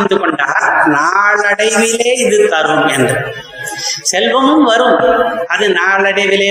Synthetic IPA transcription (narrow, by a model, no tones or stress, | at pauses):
nd̪ɯkɔɳɖaːɾnaːɭɐɽɐɪʋɪleːɪðɯt̪ːɐɾɯmɛndrɯ | sɛlʋɐmɯmʋɐɾɯmʔɐðɯnaːɭɐɽɐɪʋɪleː